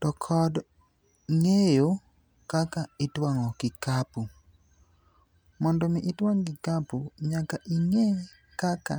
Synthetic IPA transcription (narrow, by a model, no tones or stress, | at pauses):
tɔkʰɔd | ŋejo | kakaɪtwaŋɔkɪkapu | mɔndɔmɪʔɪtwaŋɡɪkapuɲakaʔiŋe | kaka̰